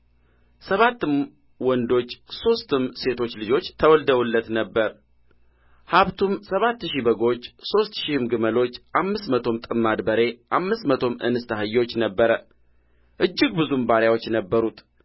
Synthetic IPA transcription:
səβat̪ːɨm | wɔnd̪o̞t͡ʃːso̞st̪ɨmse̞t̪ʰo̞t͡ʃːlɨd͡ʒo̞t͡ʃːt̪ʰəwɔld̪əwulːət̪nəbːəɾ | haβt̪ʰumsəβat̪ːʃibəɡo̞t͡ʃːso̞st̪ʃihɨmɡɨməlo̞t͡ʃːʔamːɨst̪mət̪ʰo̞mt̪ʼɨmːad̪bəɾe̞ʔamːɨst̪mət̪ʰo̞mʔɨ̰nɨst̪ʰahɨjːo̞t͡ʃːnəbːəɾə | ʔɨd͡ʒːɪɡ̚bɨzumbaɾjawot͡ʃːnəbːəɾut̪

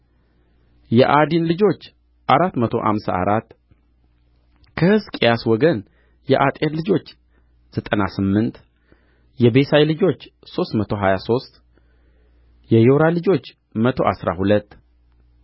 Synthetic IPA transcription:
jɛʔad̪inlɨd͡ʒo̞t͡ʃː | ʔaɾat̪ːmət̪ʰo̞ʔa̰msa̰a̰ɾat̪ː | kʰəhɨskʼejaswɔɡən | jɛʔat̪ʼjeɾlɨd͡ʒo̞t͡ʃː | z̥ət̪ʼənasɨmːɨnt̪ | jɛbe̞sajlɨd͡ʒo̞t͡ʃːso̞st̪mət̪ʰo̞ɦajaso̞st̪ʼ | jɛjoɾalɨd͡ʒo̞t͡ʃː | mət̪ʰo̞̰ʔasɾa̰hulət̪ː

